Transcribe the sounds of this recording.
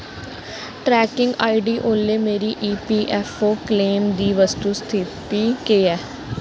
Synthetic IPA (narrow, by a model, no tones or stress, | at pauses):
ʈɾɛːkɪŋɡaːiɖiːʔoːleːmeːɾiːʔiːpiːʔɛːfʰoːkleːmd̪iːʋəst̪uːst̪ʰɪt̪iːkeːɛː